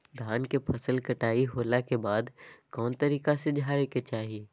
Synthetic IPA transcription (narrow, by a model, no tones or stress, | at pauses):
d̪ʱaːnkepʰɐsəlkɐʈaːiɦoːlakebaːd̪kɔːnt̪əɾiːkased͡ʒʱaːɾeket͡ʃaːɦie